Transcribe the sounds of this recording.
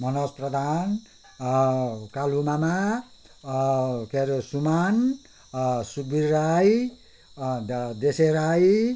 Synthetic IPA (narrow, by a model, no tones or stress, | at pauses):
mʌnosprʌd̪ʱan | kalumama | keɾesuman | suɡbirːaj | d̪eseɾaj